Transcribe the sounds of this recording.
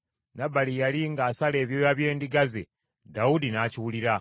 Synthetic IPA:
nabalijaliŋɡaːsale̞ːβjojaβje̞ːndiɡazḛ | daudinaciwuliɾa

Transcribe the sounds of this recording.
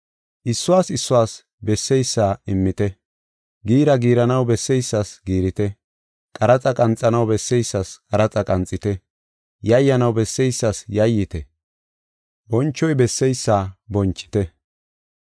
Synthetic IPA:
ʔɪsːʊwaːsɪsːʊwaːs | bɛsːɛjsːaːɪmːɪt̪ɛ | ɡiːɾɐɡiːɾɐnɐwbɛsːɛjsːasɡiːɾɪt̪ɛ | kʼɐɾɐt͡sʼɐkʼɐnt͡sʼːɐnɐwbɛsːɛjsːɐskʼɐɾɐt͡sʼɐkʼɐnt͡sʼːɪt̪ɛ | jɐjːɐnɐwbɛsːɛjsːasjɐjːɪt̪ɛ | bɔnt͡ʃːɔjbɛsːɛjsːaːbɔnt͡ʃʼːɪ̥t̪ɛ

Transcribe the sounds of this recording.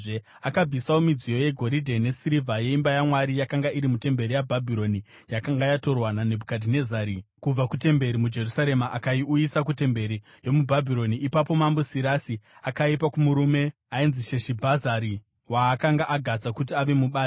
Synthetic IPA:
ʐe | akab͡visawomid͡zijo̞je̞ɡʱo̞ɾidʱe̞ne̞siɾivʱaje̞imbajamwaɾijakaŋɡaʔiɾimute̞mbe̞ɾijabʱabʱiɾo̞ni | jakaŋɡajato̞rwanane̞bʱukadʱine̞zaːɾikub͡vakute̞mbe̞ɾimud͡ʒe̞rusaɾe̞maʔakaiʔujisak̬ute̞mbe̞ɾi | jo̞mubʱabʱiɾo̞niːpapo̞mambosiɾasiakaipakumuɾume̞ | ainziʃe̞ʃibʱazaɾi | waːkaŋɡaʔaɡʱad͡zakut̬iaʋe̞muɓaː

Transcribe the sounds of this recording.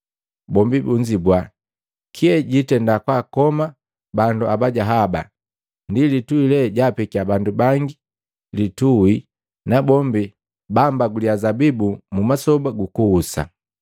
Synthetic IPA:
bɔmbibuɲd͡ʒibwa | kʰiɛɟitɛndakwakɔma | banduabaɟaɦaba̰ | ndilituilɛɟapɛkiabandubaŋɡi | lituwi | nabɔmbi | bambaɡuliazabibumumasɔbaɡukuusa̰

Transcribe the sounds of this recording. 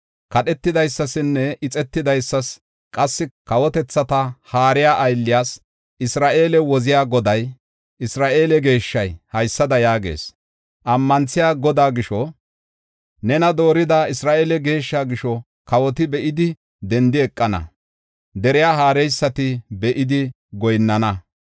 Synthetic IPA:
kɐɗɛt̪ːɪd̪ɐjsːɐsɪnːɛɪt͡sʼɛt̪ːɪd̪ɐjsːɐs | kʼɐsːɪkɐwɔt̪ɛt͡sːɐt̪ɐhaːɾɪjaːʔɐjlːɪjaːs | ɪsɾaːʔe̞ːlɛwɔzɪjaːɡɔd̪ɐj | ʔɪsɾaːʔe̞ːlɛɡe̞ːʃːɐjhɐjsːɐd̪ɐjaːɡe̞̰ːs | ʔɐmːɐnt͡sɪjaːɡɔd̪aːɡɪʃɔ | nɛnɐd̪o̞ːɾɪd̪ɐɪsɾaːʔeːlɛɡe̞ːʃːaːɡɪʃɔ | kɐwɔt̪ɪbɛʔɪd̪ɪ | d̪ɛnd̪ɪɛkʼːɐnɐ̰ | d̪ɛɾɪjaːɦaːɾɛjsːɐt̪ɪbɛʔɪd̪ɪ | ɡɔjnːɐnɐ

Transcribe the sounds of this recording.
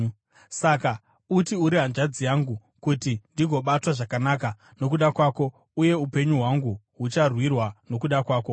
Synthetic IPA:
saka | utiuɾiɦand͡ʒad͡zijaŋɡu | kutindiɡʱo̞ɓatwaʐakanaːka | no̞k̬uɗakwaːko̞ | uje̞upe̞ɲuɦwaŋɡu | ɦut͡ʃarwirwano̞kuɗakwaːko̞

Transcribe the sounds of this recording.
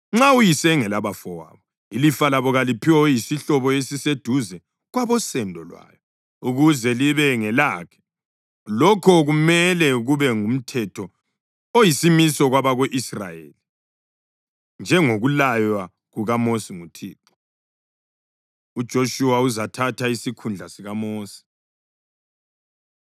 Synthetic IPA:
ŋ͡ǁaujisɛŋɛlaβafɔwa̰ːβɔ | ilifalaβɔɣalipʰiwɔjisiɬɔβɔesised̥ʱuzɛ | ɣwaβɔsɛndʱɔlwa̰ːjɔ | uɣuzɛliβɛŋɛlaːkʰɛ̥ | lɔkʰɔɣumɛlɛɣuβɛŋum̩tʰɛtʰɔ | ojisimisɔɣwaβaɣoʔisra̰jḛːli | nd͡ʒʱɛŋoɣulajwa | ɣuɣamosiŋutʰḭːǁɔ̥ | ud̥ʒ̥ʱoʃuwauzatʰatʰaisikʰund͡ɮʱasiɣamoːsi̥

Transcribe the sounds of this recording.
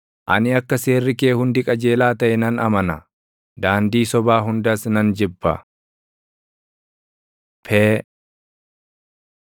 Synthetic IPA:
ʔɐnɪɐkːɐse̞ːrːɪke̞ːhʊnd̪ɪkʼɐd͡ʒe̞ːlaːt̪ɐʔɛnɐnɐmɐnɐ | d̪aːnd̪iːsɔbaːɦʊnd̪ɐsnɐnd͡ʒɪbːɐ̰ | pʰeː

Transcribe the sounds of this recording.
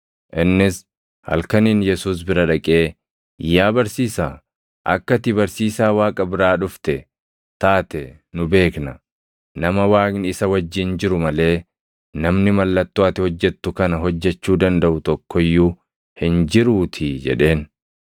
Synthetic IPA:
ʔɪnːɪs | hɐ̰lkɐniːnjɛsuːs̬bɪɾɐᶑɐkʼe̞ː | ɪjːaːbɐɾsiːsaː | ʔɐ̰kːɐt̪ɪbɐɾsiːsaːwaːkʼɐbɪɾaːᶑʊft̪ɛ | t̪aːt̪ɛnʊbe̞ːknɐ | nɐmɐwaːknɪɪsɐwɐd͡ʒːɪnd͡ʒɪɾʊmɐle̞ː | nɐmnɪmɐlːɐt̪ːʊaːt̪ɪhɔd͡ʒːɛt̪ːʊkɐnɐɦɔd͡ʒːɛt͡ʃːuːd̪ɐnd̪ɐʔʊt̪ɔkːɔjːuː | hɪnd͡ʒɪɾuːt̪ʰɪd͡ʒɛ̰ᶑe̞ːn

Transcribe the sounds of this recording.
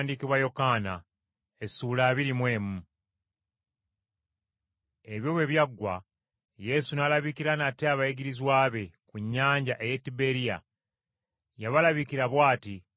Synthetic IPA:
ndikiβwajo̞kaːna | e̞sulaːβiɾimwe̞ːmu | e̞βjo̞ːβwe̞βjaɡːwa̰ | je̞sunalaβikiɾanateaβaiɡiɾizwaːβe̞kuɲːaːɲɟaʔe̞jetːibe̞ɾija̰ | jaβalaβikiɾaβwaːti

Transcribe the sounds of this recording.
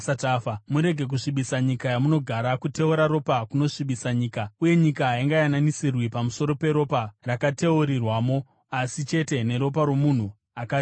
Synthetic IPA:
atafamuɾe̞ɡʱe̞k̬uʂiɓisaɲikajamuno̞ɡʱaɾakute̞uɾaɾo̞pakuno̞ʂiɓisaɲiːkauje̞ɲikaɦaiŋɡajananisirwipamuso̞ɾo̞pe̞ɾo̞parakate̞uɾirwaːmo̞ | asit͡ʃe̞te̞ne̞ɾo̞p̬aɾo̞mun̤u | akai

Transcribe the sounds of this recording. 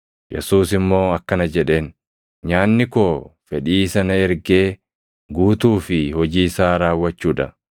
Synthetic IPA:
jɛ̰suːsɪmːo̞ːɐkːɐnɐd͡ʒɛᶑe̞ːn | ɲaːnːɪko̞ːfɛᶑiːsɐnɐɛɾɡe̞ː | ɡuːt̪uːfɪhɔd͡ʒiːsaːɾaːwːɐt͡ʃːuːᶑɐ̰

